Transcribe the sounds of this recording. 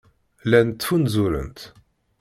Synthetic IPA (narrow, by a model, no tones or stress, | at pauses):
lænt̪ːfunzuɾə̰nt̪